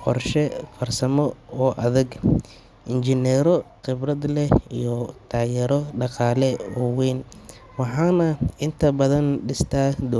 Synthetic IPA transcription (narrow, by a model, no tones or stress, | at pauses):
qɔ̰rʃɛfɐrsɐmɔɔːʔɐðɐɡ | ʔɪnt͡ʃɪnɛɾɔqɪbrɐd̪lɛijɔt̪ʰaːjɛɾɔɖɑqɑːlɛwɔwɛːn | wɑħɑːnɐɪnt̪ʰɐbɐðɐnɖɪst̪ʰaːd̪ɔ